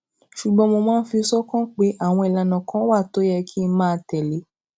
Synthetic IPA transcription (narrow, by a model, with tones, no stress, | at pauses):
ʃu˨ɡ͡bɔ̃˧mo˧mãː˦˧n̩˦fi˧sɔ˦kɔ̃˦k͡pe˨˦ʔa˦˨w̃ɔ̃˧i˨la˨nã˨kɔ̃˦wa˦˨to˨˦jɛ˧kʰi˦˧˦mãː˦˧tɛ˨le˨˦